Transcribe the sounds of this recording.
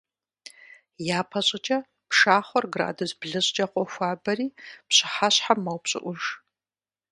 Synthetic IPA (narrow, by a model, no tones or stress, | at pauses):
jaːpʰɐɕʼɪt͡ʃʼɐ | pʂaːχʷɔrɡra̰ːdozbɮɨɕʼd͡ʒʼɐqʷɔxʷaːbɐriːpɕɪ̥ħaɕħamːɐwpɕʼɪ̰ʔʷʊʒ